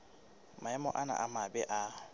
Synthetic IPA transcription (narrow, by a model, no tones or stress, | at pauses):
maɛmɔʔana̰ʔamabɛʔa